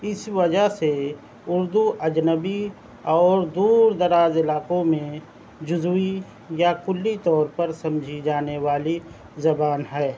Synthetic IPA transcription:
ɪsʋɐd͡ʒəɦse | ʊɾd̪uʔɐd͡ʒnəbi | ɔːɾd̪uːɾd̪ɐɾaːzɪlaːkõmẽ | d͡ʒʊzui | jakʊlːit̪ɔːɾpəɾsɐ̃md͡ʒʱid͡ʒaːneʋaːli | zɐbaːnɦɛː

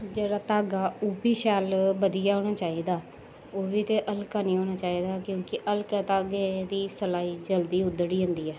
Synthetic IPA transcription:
d͡ʒəɾat̪aːɡaːuːbiːʃaːlbəd̪ijaːɦoːɽ̃aːt͡ʃaːiːd̪aː | oːbiːt̪eːʔəlkaːnĩːɦoːñaːt͡ʃaːiːd̪aːkjõːkɪʔəlkət̪aːɡed̪iːsəlaːiːd͡ʒəld̪iːʊd̪əɽiːɦʊ̃nd̪iːɛː

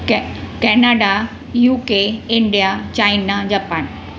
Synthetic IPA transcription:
kɛnaɖa | juːkeɪ̃ɳɖijat͡ɕainad͡ʑaːpaːn

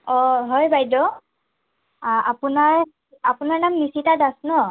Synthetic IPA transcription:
ɔɦɔjbʱajdɔ | apunaɹ | apunaɹnamnisitadasnɔ

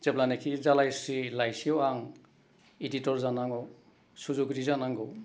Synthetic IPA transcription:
zeblanekʰizalajsilajsiɔwaŋ | iditɔɾzanaŋɔw | suzuɡɾizanaŋɡɔw

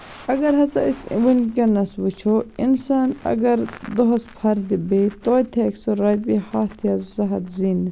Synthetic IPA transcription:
ɐɡɐɾɦɐt͡sɐ̰isʋinɡʲɐnɐsʋut͡ʃʰoinsaːnɐ̰ɡɐɾd̪oɦɐspʰɐɾd̪ibet̪oːt̪ʰɐksoɾɐjt̪̚bihat̪ʰiɐzɐɦɐt̪zin

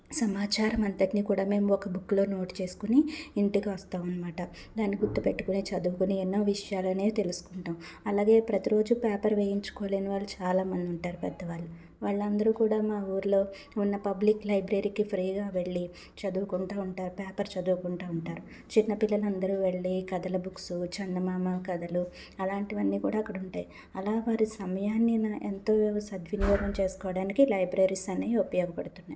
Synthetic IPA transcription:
sɐmaːt͡ʃaːɾɐmɐnt̪ɐʈniːkuːɽaːme̞ːmuɔkɐbukːlo̞ːno̞ːʈi̥t͡ʃe̞ːsu̥kuniːɳʈikiʋɐst̪aːmɐnːɐmaːʈɐ | d̪aːnːiɡut̪ːupe̞ʈːu̥kunit͡ʃɐd̪uːkuniɛnːoːʋiʂɐjaːluɐneːt̪e̞lusu̥kuɳʈaːmɐlaːɡe̞ːpɾɐt̪iɾo̞ːd͡ʒupɛːpɐɾʋeːjiɲt͡ʃu̥koːle̞ːniʋaːɭːut͡ʃaːlaːmɐnd̪iuɳʈaːɾupɛd̪ːɐʋaːɭːu | ʋaːɭːɐnd̪ɐɾukuːɽaːmaːuːɾulo̞ː | unːɐpɐbliklɐjbɾeɾiːkipʰɾiːɡaːʋe̞ɭːi | t͡ʃɐd̪uːkuɳʈaːuɳʈaːɾupeːpɐɾt͡ʃɐd̪uːkuɳʈaːuɳʈaːɾu | t͡ʃinːɐpilːɐlɐnd̪ɐɾuːʋe̞ɭːikɐd̪ɐlɐbuksut͡ʃɐnːɐmaːmakɐd̪ɐlu | ɐlaːɳʈiʋɐnːiːkuːɽaːɐkːɐɽuɳʈaːj | ɐlaːʋaːɾisɐmɐjaːnːinɐʔent̪o̞ːsɐd̪ʋinjɔːɡ̪ɐmt͡ʃe̞ːsu̥kɔːɐɽaːnikilɐjbɾeɾisɐneːupɐjoːɡɐpɐɽut̪unːaː

